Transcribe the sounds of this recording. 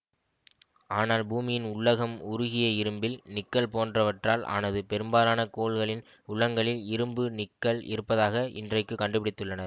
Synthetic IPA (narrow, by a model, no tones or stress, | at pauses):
aːnaːlbuːmɪjɪnʊɭːɐɣɐmʊɾʊɣɪjɐɪɾɯmbɪlnɪkːɐɭpoːndrɐʋɐʈraːlʔa̰ːnɐðɯpɛɾɯmbaːlaːnɐkoːɭɣɐɭɪn | ʊɭːɐŋɡɐɭɪlɪɾɯmbɯnɪkːɐɭɪ̰ɾɯpːɐðaːɣɐʔɪ̰ndrɐɪkːɯkːɐɳɖɯpɪɽɪt̪ːɯɭːɐnɐɾ